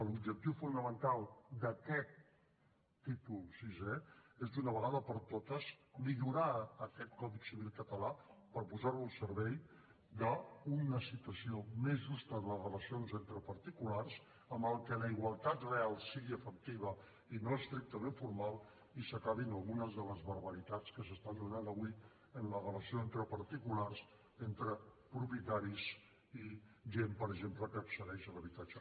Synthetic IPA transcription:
əlub̚ʒək̚t̪iwfunəmənt̪alˠd̪əkɛt̪ː | it̪ulsiʒeezd̪unəβ̞əɣaðəpəɾt̪ot̪əzmiʎuɾaəkɛt̪̚kɔðiksiβ̞ilˠkət̪əlapəɾpuzaɾβulˠsəɾβɛj | d̪əunəsit̪uəsiomezʒust̪əðələzrələsionzent̪ɾəpəɾt̪ikularz | əmbəlˠkələiɣwalˠt̪at̪realˠsiɣiəfək̚t̪iβ̞ə | inoəst̪ɾik̚t̪əmeɱfuɾmalˠ | isəkaβinəlˠɣunəzðələzβəɾβəɾit̪at͡skəs̬əst̪and̪unand̪əβui | ənlərələsioent̪ɾəpəɾt̪ikulars | ent̪ɾəpɾupjət̪aɾiz | iʒempəɾəʒempləkəːpsəɾɛʃələβit̪at͡ʃə

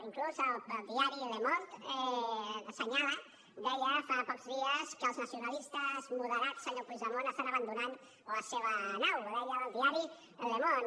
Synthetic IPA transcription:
iŋkluzəlˠd̪iaɾiləmont̪ɛðəsəɲalə | d̪ɛjəfapɔkzðiəskəːlˠznəsiunalist̪əzmuðəɾatsəɲopuzðəmonəst̪anəβənd̪unan | ləseβənawðɛjəːlˠðiaɾi | lemon

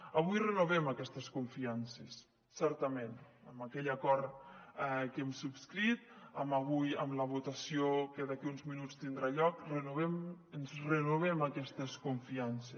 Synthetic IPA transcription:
əβ̞ujrənoβɛməkɛst̪əskuɱfiansesː | ɛɾt̪əmen | əməkɛʎəkɔɾt̪ɛkemsupskɾit̪̚əməβ̞ujə̰mləβ̞ut̪əsiokəðakiunzminut͡st̪ind̪ɾaʎɔk̚rənuβɛm | ənzrənuβ̞ɛməkɛst̪əskuɱfianse

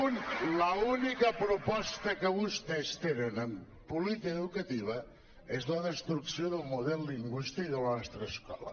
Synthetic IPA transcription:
nləunikəpɾupɔst̪əkəβust̪ɛst̪enənəm | pulit̪ikeðukət̪iβ̞ə | ezləðəst̪ɾuksjoðəlˠmuðɛlˠːiŋɡwist̪ikðəlˠnɔst̪ɾəskɔ̰lə̰

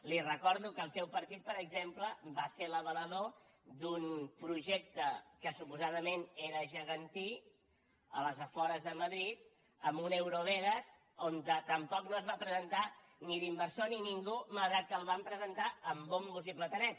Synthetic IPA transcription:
lirəkɔɾðukəːlˠsɛwpəɾt̪it̪̚pəɾəɡzempləbaseləβələð̞o | d̪unpɾuʒek̚t̪əkəsupuzaðəmeneɾəʒəɣənt̪i | ə̰ləzəfɔɾəzðəməðɾit̪̚ | əmunewɾoβɛɣəz | ont̪ət̪əmpɔknoəzβapɾəzənt̪a | niðimbəɾsoniniŋɡumaɣɾat̪̚kəlˠβampɾəzənt̪aəmbombuziplət̪ənɛs

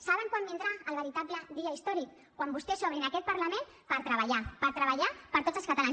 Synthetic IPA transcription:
saβəŋkwambind̪ɾaəlβəɾit̪apləðiəist̪ɔɾik | kːwambust̪ɛsɔβɾinakɛt̪̚pəɾləmẽn | pəɾt̪ɾəβəʎapəɾt̪ɾəβaʎapəɾt̪od͡zəlˠskət̪alan

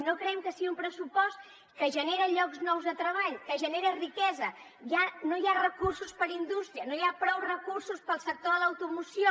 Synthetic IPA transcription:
nokɾɛmkəsiiumpɾəsupɔst̪ | kəʒəneɾəʎɔkznɔwzðət̪ɾəβ̞aʎkəʒəneɾərikɛzə | ʒanõjarəkursuspəɾind̪ust̪ɾiənõjapɾɔwrəkuɾsuspəlˠsək̚t̪oðələwt̪umusjo

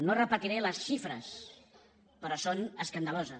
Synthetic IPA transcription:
norəpət̪iɾeləsʃifɾə̰s | pəɾɔsonəskand̪əlozə

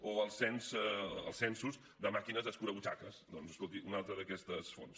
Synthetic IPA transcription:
oəlˠsɛnsə̰lˠsɛnsuz | d̪əmakinəzðəskuɾəβut͡ʃakəsd̪ɔnzəskolˠt̪iʔunalˠt̪ɾəðəkɛst̪əsfo̰ns

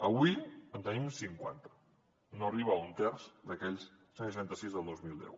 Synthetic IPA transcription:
əβuiənt̪ənimsiŋkwa̰nt̪ə̥ | noəriβ̞əunt̪ɛrzd̪əkɛʎs | səʃʃ̬ant̪əsizðəlˠd̪ozmilˠd̪ɛ̰w

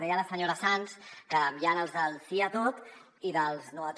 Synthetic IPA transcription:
ðɛjələsəɲoɾəsanskəmjanəlˠzðəlsiət̪ot̪ | iðəlˠznuət̪

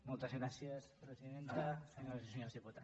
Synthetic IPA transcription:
molˠt̪ɐzɣɾasjɐspɾesiðent̪ɐseɲoɾseɲoɾðiput̪a

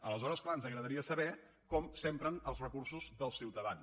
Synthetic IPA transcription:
ələzɔɾəsklaənzəɣɾəðəɾiəsəβɛ | kɔmsɛmpɾənəlˠzrəkursuzðəlˠsiwt̪əðan

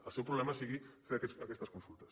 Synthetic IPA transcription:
əlˠsɛwpɾuβlɛmɐsiɣifeɾakɛsɐkɛst̪ɐskunsulˠt̪ɐ̥s

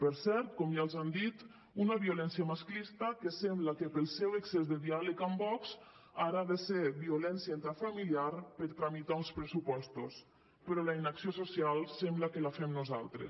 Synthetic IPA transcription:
pəɾsɛɾt̪kɔmʒalˠzand̪it̪ | unəβiulɛnsiəmasklist̪əkəsɛmbləkəpəlˠsɛweksezðəðialəkambɔkz | aɾaðəseβiulɛnsjaint̪afamiliaɾpəɾt̪ɾamit̪aunspɾəsupɔst̪os | pəɾɔlainaksiososialˠsɛmbləkəlafɛmnuza̰lˠt̪ɾḛs

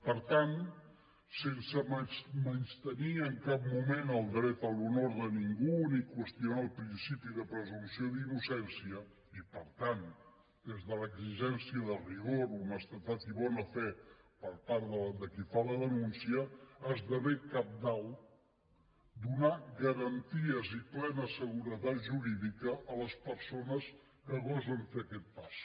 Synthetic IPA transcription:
pəɾt̪an | sensəmmənʃt̪əniəŋkap̚mumenəlˠd̪ɾɛt̪əlˠunoɾðəniŋɡunikwəst̪iunaəlˠpɾinsipiðəpɾəzumsioðinusɛnsiə | ipəɾt̪an | d̪ezðələɡziʒɛnsiəðəriɣoɾuməst̪ət̪at̪iβɔnəfɛpəɾpaɾðələd̪əkifaləðənunsiəazðəβekap̚d̪aw | d̪unaɣəɾənt̪iəziplɛnəsəɣuɾət̪at̪ʒuɾiðikəːləspəɾsonəs | kəɣɔzəɱfeəkɛt̪̚pas

